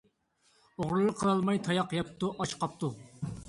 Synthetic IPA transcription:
oʁɾɨlˠəqʰːəlˠɑlˠmɑjt̪ʰɑjɑqjɑp̚t̪ʰuʔɑt͡ʃqʰɑp̚t̪ʰu

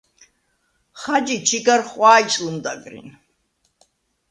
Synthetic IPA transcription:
χad͡ʒit͡ʃʰiɡarχwaːit͡ʃʼlumd̪a̰ɡɾḭn

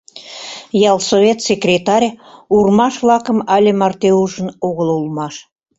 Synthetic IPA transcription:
jɑlˠsoβʲet̪sʲekrʲet̪ɑɾʲurmɑʃvlɑkə̆mɑlʲĕmɑrt̪euʒə̆noɣəlulmɑʃ

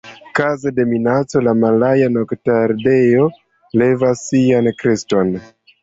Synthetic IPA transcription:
kazede̞minat͡so̞lamalajanoktaɾde̞jo̞ | le̞vasːiankɾesto̞n

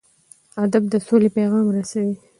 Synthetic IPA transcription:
ad̪ab̚d̪əsolepeɣɑmɾasawi

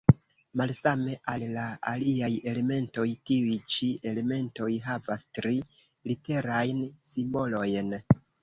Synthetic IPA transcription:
malsame̞ʔallaaliaje̞le̞me̞nto̞jtiujt͡ʃie̞le̞me̞nto̞jɦavastɾi | lite̞ɾajnsimbo̞lo̞jn

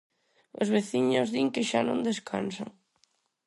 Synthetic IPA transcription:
ʊ̰zβeθiɲʊzðiŋkɪʃanõŋd̪eskʰa̰nsa̰ŋ

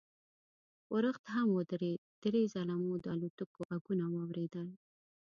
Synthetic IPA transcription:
wəɾəxt̪ɦamwəd̪ɾed̪̥ɾezalamod̪əalot̪əkoɣaɡunawɑwɾed̪əl

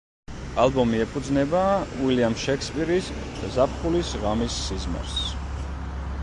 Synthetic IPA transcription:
alˠbɔmiɛpʰud̪znɛbaːwiliamʃɛkʰspʼiɾiszapʰχulisʁamisːizmɛ̰ɾs

